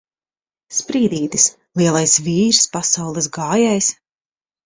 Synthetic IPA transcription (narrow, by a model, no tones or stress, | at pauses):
spɾiːd̪iːd̪ɨs | lˠiɛlˠajsviːɾspasawlˠɨs̬ɡaːjajs